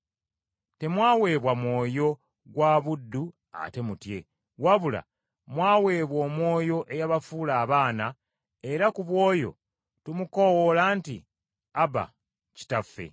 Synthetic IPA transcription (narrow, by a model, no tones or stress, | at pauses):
te̞mwaːwe̞ːβwamwo̞ːjo̞ | ɡwaβudːu | a̰te̞mutje̞ | waβula̰ | mwaːwe̞ːβwo̞ːmwo̞ːjo̞ʔe̞jaβafuːlaːβaːna | e̞ɾakuβwo̞ːjo̞̰ | tumuko̞wolaːntḭ | aba̰ | ci̥tafːe̞̰